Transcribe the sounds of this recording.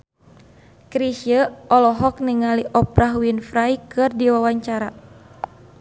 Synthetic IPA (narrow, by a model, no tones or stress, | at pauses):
kɾisiəɔlɔɦɔk̚niŋaliʔɔpɾaɦwinfɾajkɨrdiwawaɲt͡ʃaɾa